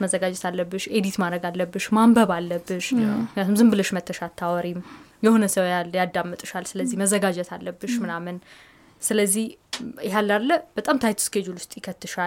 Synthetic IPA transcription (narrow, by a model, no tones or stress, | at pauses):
məzːəɡad͡ʒɛt̪ʰalːəbːɨʃed̪it̪maɾəɡalːəbːɨʃmambəβalːəbːɨʃɪɪkʰnjat̪umzɨmbɨləʃmət̪ʰːəʃat̪ʰːawɔɾimjɛho̞nəsəwjalːjad̪ːamːɨt̪ʼɨʃalsɨləzːihməzəɡad͡ʒɛt̪ʰalːəbːɨʃmɨnamɨn | sɨləzːihɦalːalːəb̥ət̪ʼamt̪ʰajt̪ʰɨ̥skʰed͡ʒulwʊst̪ʼjɪkʰət̪ʰːɨʃa